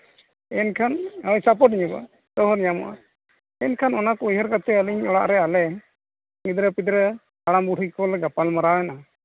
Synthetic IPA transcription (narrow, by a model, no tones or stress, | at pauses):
ɛnkʰanəɲsap̬ɔʈ̚iɲuka̰ | t̪ɔɦɔɾɲamɔ̰ʔa̰ | ɛnkʰanɔnakɔujɦəɾkat̪ɛəliɲɔɽa̰ʔɾɛalɛ | ŋid̪ɾəpid̪ɾə | aɽambuɽʰikɔlɡapalmaɾawɛna